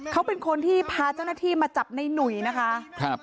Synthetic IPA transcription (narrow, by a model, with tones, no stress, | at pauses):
kʰa˦˥wpe˧nkʰo˧nt̪ʰiː˥˩pʰaː˧t͡ɕaː˥˩wnaː˥˩t̪ʰiː˥˩maː˧t͡ɕa˨˩p̚na˧jnu˨˩jna˦˥kʰa˦˥kʰa˦˥˩p̚